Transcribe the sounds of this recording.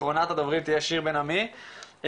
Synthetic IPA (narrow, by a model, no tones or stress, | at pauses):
ʁonat̪ad̪ovʁit̪ijɛʃiʁbenami